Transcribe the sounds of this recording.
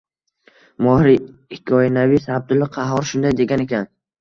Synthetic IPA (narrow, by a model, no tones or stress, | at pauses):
mɒhɾiɪkʰʲːɒɪnavisab̚d̪ʊlɪqʰɑɦɒɾʃʊnd̪ajd̪e̞ɡʲane̞kʲʰan